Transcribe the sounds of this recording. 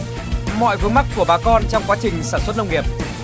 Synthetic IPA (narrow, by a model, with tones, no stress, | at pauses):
mɔ̰˧˨jvɨ˨˦əŋma˦˥k̚kːu˧˩əɓaː˨˩˦kɔ˧nt͡ɕɔ˧wŋ͡mkwaː˨˦t͡ɕï˨˩ŋ̟saː˧˩nswə˦˥t̚nə˧wŋ͡mŋi˨˩əp̚